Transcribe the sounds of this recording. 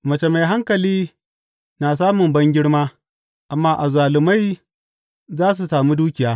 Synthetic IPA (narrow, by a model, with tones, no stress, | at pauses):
mɐ˨t͡ʃe˨ma˨jɦa˦ŋkɐ˨liː˦ | naː˨s̬aː˦mʊ˨mbɐ˦ŋɡʲɪ˦ɽmaː˦ | ʔa˨mːaː˦ʔa˨zaː˨lɪ˨ma˦j | zaː˦s̬u˨saː˨mu˦duː˦kʲɪ˨jaː˦